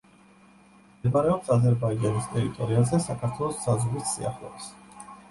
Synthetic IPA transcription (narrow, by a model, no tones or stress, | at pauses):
ɛmaɾɛɔpsazɛɾbaid͡ʒanist̪ʼɛɾit̪ʼɔɾiazɛsakʰaɾt̪ʰwɛlˠɔsz̥azʁɾisːḭa̰χlˠɔ̰bis